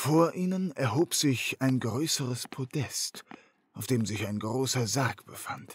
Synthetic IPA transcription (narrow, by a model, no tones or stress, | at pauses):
foːɐʔiːnənɛɐɦoːpz̥ɪçaɪnɡʁøːsəʁəspʰodɛst | ʔaʊfd̥eːmzɪçaɪnɡʁoːsɐzakb̥əfant